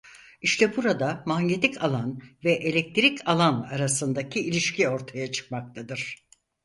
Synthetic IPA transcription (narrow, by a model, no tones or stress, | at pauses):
iʃt̪ʰɛbuɾad̪amaɲɲet̪icʰalˠanvɛʔelʲɛk̚t̪ʰɾicʰalˠanaɾasɯnd̪acʰiilʲiʃcio̞ɾt̪ʰajat͡ʃʰɯ̥k̚mak̚t̪ʰad̪ɯɾ̥